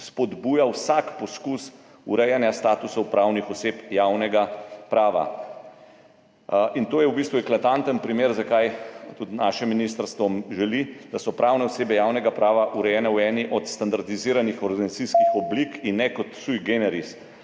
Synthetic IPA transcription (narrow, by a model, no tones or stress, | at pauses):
spɔd̪buːjawsakpɔskus | uɾɛjanjast̪aːt̪usɔwpɾawnixɔseːpjawnɛɡapɾaːʋa̰ | int̪oːjɛwbist̪ʋuɛklat̪ant̪ənpɾimeːɾzakajt̪ud̪naːʃɛmːinist̪əɾst̪ʋɔmʒɛlid̪asɔpɾʔaːwnɛɔseːbɛjawnɛɡapɾaːʋaʔuɾɛjɛnɛwɛːniʔɔt̪st̪and̪aɾd̪iziːɾanixɔɾd̪inat̪siskixɔblikinːɛkɔt̪sujɡenɛɾis